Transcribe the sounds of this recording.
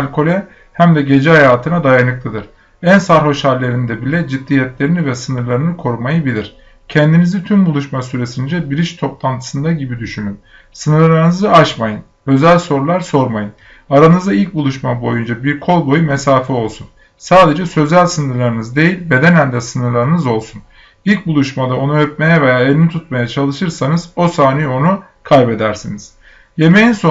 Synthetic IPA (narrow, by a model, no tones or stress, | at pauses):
lʲkʰo̞lʲɛ | hæmd̪ɛɟe̞d͡ʒɛɦajaːt̪ʰɯnad̪ajanɯklˠɯd̪ɯɾ̥ | ænsaɾɦo̞ʃhaɾlʲe̞ɾind̪ɛbilʲɛd͡ʒid̪ːijɛt̪lʲe̞ɾinivɛsɯnɯɾlˠaɾɯnɯkʰo̞ɾumajɯbilʲiɾ̥ | cʰɛnd̪inizit̪ʰymbulˠuʃmasyɾe̞sind͡ʒɛbiɾiʃt̪ʰo̞plˠant̪ʰɯ̥sɯnd̪aɟibid̪yʃynym | sɯnɯɾlˠlˠaɾɯnɯzɯaʃmajɯn | ø̞zælʲso̞ɾulˠaɾso̞ɾmajɯn | aɾanɯzd̪ailʲc̚bulˠuʃmabo̞jund͡ʒabiɾkʰo̞lˠbo̞jume̞saːfio̞lˠsun | saːd̪e̞d͡ʒɛsø̞zælʲsɯnɯɾlˠaɾɯnɯzd̪e̞jilʲbe̞d̪enænd̪ɛsɯnɯɾlˠaɾɯnɯzo̞lˠsun | ilʲc̚bulˠuʃmad̪ao̞nuøp̚me̞jɛve̞jaːelʲinit̪ʰut̪̚majat͡ʃʰalˠɯʃɯɾsanɯz̥o̞saːnijio̞nu | kʰajbe̞d̪æɾsiniz̥ | je̞me̞jinso